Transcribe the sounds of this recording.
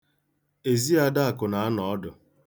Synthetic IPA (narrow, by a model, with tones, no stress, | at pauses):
e˨zi˦a˦da˦a˨kʊ˨na˨˦nɔ˨ɔ˦dʊ˨